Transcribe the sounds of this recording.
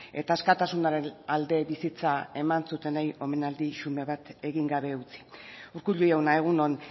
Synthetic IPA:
e̞̰t̪aːskat̪asunaɾe̞nald̪e̞βisit͡sae̞mansut̪e̞najo̞me̞nald̪iʃume̞βat̪e̞ɣiŋɡaβe̞ut͡si̥uɾkuʎuawnae̞ɣ̞uno̞n

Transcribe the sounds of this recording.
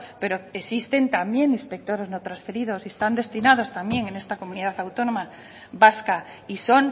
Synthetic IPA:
pe̞ɾo̞esist̪e̞nt̪ambje̞nĩnspe̞k̚t̪o̞ɾe̞znot̪ɾansfe̞ɾið̞o̞siest̪and̪e̞st̪inað̞o̞st̪ambje̞ŋe̞ne̞st̪ako̞muniðaθawt̪o̞nõma | βaska | iso̞n

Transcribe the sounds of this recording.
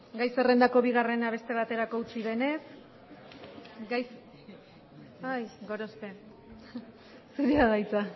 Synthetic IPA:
ɡajse̞re̞nd̪ako̞βiɣ̞are̞naβ̞e̞st̪e̞β̞at̪e̞ɾako̞ut͡siðe̞ne̞s | ɡajs | ajɡo̞ɾo̞spe̞ | suɾeaɣajt͡sa

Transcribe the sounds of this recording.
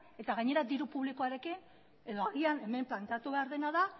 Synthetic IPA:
e̞t̪aɣaɲe̞ɾad̪iɾupuβliko̞aɾe̞kin | e̞ðo̞aɣiane̞me̞mplant̪eat̪uβe̞aɾðe̞naða

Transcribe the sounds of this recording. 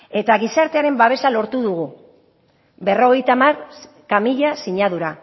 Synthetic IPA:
e̞t̪aɣisaɾt̪e̞aɾe̞mbaβ̞e̞salo̞ɾt̪uðuɣ̞u | be̞ro̞ɣ̞e̞jt̪amar | kamiʎasiɲaðuɾa

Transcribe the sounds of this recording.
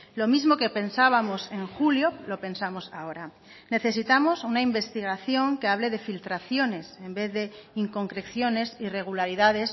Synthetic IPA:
lo̞mizmo̞kepe̞nsaβ̞amo̞se̞ŋxuljo̞lo̞pe̞nsamo̞sao̞ɾa | ne̞θe̞sit̪amo̞sunaimbe̞st̪iɣ̞aθjo̞ŋke̞aβ̞le̞ðe̞filt̪ɾaθjo̞ne̞se̞mbe̞θðe̞iŋko̞ŋkɾe̞kθjo̞ne̞sire̞ɣ̞ulaɾiðaðe̞s

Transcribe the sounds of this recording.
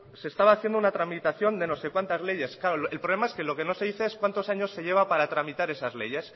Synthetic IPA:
se̞ːst̪aβaːθje̞nd̪ounat̪ɾamit̪aθjo̞nd̪e̞no̞se̞kwant̪azle̞ʝe̞sklaɾoelpɾolemaeske̞lo̞ke̞no̞se̞ðiθe̞eskwant̪osaɲo̞sːe̞ʝe̞β̞apaɾat̪ɾamit̪aɾe̞sazle̞̰ʝe̞s

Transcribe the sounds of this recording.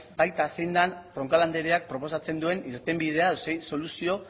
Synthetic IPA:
bajt̪asejnd̪anrro̞ŋkaland̪eɾeak̚pɾo̞po̞sat͡send̪ue̞niɾt̪e̞mbið̞e̞aðosejso̞lusio̞

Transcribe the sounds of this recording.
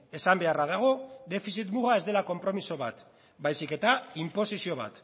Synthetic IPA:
e̞sambe̞araðaɣ̞o̞d̪e̞fisit̪muɣae̞zd̪e̞lako̞mpɾo̞miso̞β̞at̪ | bajsike̞t̪aimpo̞sisio̞β̞a̰t̪

